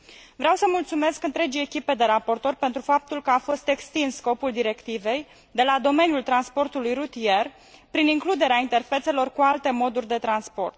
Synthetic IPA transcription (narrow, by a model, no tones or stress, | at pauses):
vɾeawsəmult̪sume̞skɨnt̪ɾe̞d͡ʒijekʲipe̞d̪e̞ɾapo̞rt̪o̞rpe̞nt̪ɾufap̚t̪ulkəafo̞st̪e̞kst̪inssːko̞puld̪iɾe̞kt̪ive̞j | d̪e̞lad̪o̞me̞njult̪ɾanspo̞rt̪ulujrut̪ie̞r | pɾiniŋklud̪e̞ɾeaint̪erfe̞t̪se̞lo̞rkualt̪e̞mo̞d̪urʲd̪e̞t̪ɾanspo̞rt̪̚